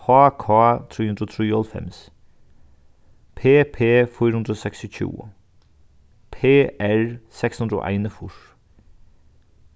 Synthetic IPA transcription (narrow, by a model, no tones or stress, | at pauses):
hɑːkʰɑːt̪ʰɾiːʉnd̪ɾoːt̪ʰɾiːɔlfɛ̰ms | pʰeːpʰeːfɔːɾʉnd̪ɾoːsɛksɪc͡çʰṵːə̰ | pʰeːæɹsɛkshʉnd̪ɾo̰ːʔæ̰ɪnəfʊʂ